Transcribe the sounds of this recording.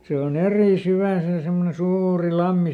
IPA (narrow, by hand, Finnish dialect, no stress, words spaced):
se on eriˑ syʋæˑ se semːone suːuri lɑmːi